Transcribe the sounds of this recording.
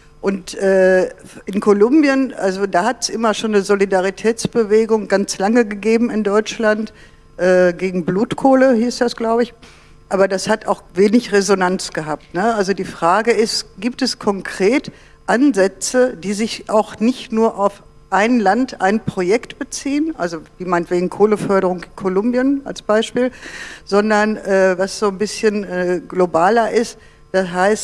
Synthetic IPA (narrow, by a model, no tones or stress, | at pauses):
ʔʊntʔɛːʔɪnkʰolʊmbjənʔa̰lzodaːhatɛsʔɪmɐʃoːnːəzolidaʁ̞itʰɛːt͡sb̥əveːɡʊŋɡant͡slaŋəɡəɡeːbm̩ɪndɔʏt͡ʃlant | ʔɛːɡeːɡŋ̩bluːtkʰoːləhiːsd̥asɡ̥laʊbəɪç | ʔaːbɐdashataʊxveːnɪçʁezonant͡sɡ̥əɦaːp̚tnəʔalzodiːfʁ̥aːɡəɪstɡ̥iːp̚tɛskʰɔŋkʁ̥eːt | ʔanzɛt͡sədiːzɪçʔaʊxnɪçtnuːɐʔaʊf | ʔaɪnlanta̰ɪnpʁ̥ojɛktb̥ət͡siːənʔalzoviːmaɪntveːɡŋ̩kʰoːləfœɐɾəʁ̞ʊŋɪnkʰolʊmbjənʔa̰lsb̥aɪʃpiːlz̥ɔndɐnʔɛːvasz̥oːnbɪsçənʔɛɡlobaːlɐʔɪst | d̥asɦaɪst